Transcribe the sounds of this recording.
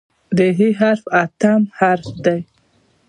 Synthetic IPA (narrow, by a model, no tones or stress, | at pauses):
d̪əɦiɦaɾfat̪amhaɾfd̪aj